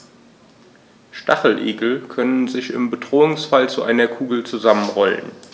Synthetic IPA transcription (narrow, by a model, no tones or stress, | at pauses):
ʃtaχl̩ʔḛːɡl̩kʰœnənzɪçɪ̰mbədʁoːʊŋsfalt͡suʔa̰ɪnɐkʰuːɡl̩t͡suzamənʁɔlə̰n